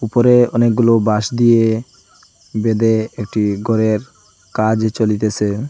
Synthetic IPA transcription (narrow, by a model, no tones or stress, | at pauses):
upoɾeɔnek̚ɡulobaʃd̪ije | bed̪eek̚ʈiɡʱɔɾeɾ | kad͡ʑt͡ɕolit̪et͡ɕʰe